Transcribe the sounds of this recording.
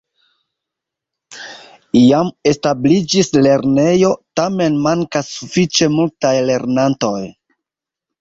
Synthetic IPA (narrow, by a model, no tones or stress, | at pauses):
jame̞stablid͡ʒisle̞ɾne̞jo̞tame̞nmaŋkasːufit͡ʃe̞multajle̞ɾnanto̞j